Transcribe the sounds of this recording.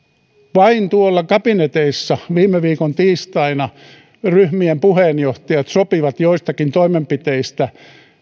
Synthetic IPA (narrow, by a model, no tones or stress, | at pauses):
ʋɑint̪uolːɑkɑpinet̪eisːɑʋiːmːˑeʋiːkont̪iːst̪ɑinɑ | ryhmiempuheːnjoht̪ɑjɑt̪sopiʋɑt̪joist̪ɑkint̪oimempit̪eist̪æ